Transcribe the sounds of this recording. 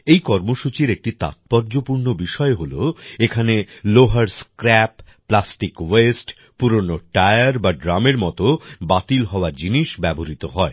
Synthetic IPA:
ejkɔɾmoʃut͡ɕiɾek̚ʈit̪a̰t̪̚pɔɾd͡ʑopuɾnobiʃɔeɦoloekʰaneloɦaɾskɾɛpː | lasʈikwesʈ | puɾonoʈaeaɾbaɖɾameɾmɔt̪obat̪ilɦɔoaɾd͡ʑiniʃbɛboɾit̪oɦɔe

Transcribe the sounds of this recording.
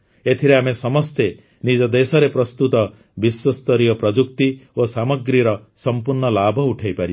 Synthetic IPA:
et̪ʰiɾeamesɔmɔst̪e | nid͡ʒɔd̪esɔɾepɾɔst̪ut̪ɔ | biswɔst̪ɔɾijɔpɾɔd͡ʒukt̪iosamɔɡɾiɾɔsɔmpuɾɳɔlabʱɔuʈʰajpaɾi

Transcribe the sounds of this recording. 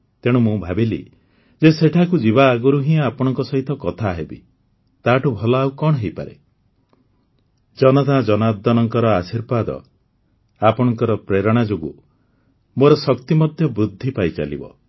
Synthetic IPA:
t̪eɽ̃umũbʱabilḭ | d͡ʒeseʈʰakud͡ʒiβaːɡɔɾuɦĩapɔɽ̃ɔŋkɔsɔɦit̪ɔkɔt̪ʰaɦebḭ | t̪aʈubʱɔlɔːukɔɽɔɦejpa̰ɾḛ | d͡ʒɔnɔt̪ad͡ʒɔnad̪ːɔnɔŋkɔɾɔasiɾbad̪ɔ̰ | apɔɽ̃ɔŋkɔɾɔpɾeɾɔɽ̃ad͡ʒoɡṵ | moɾɔsɔkt̪imɔd̪ʱjɔbɾud̪ʱːipajt͡ʃa̰lḭbɔ̰

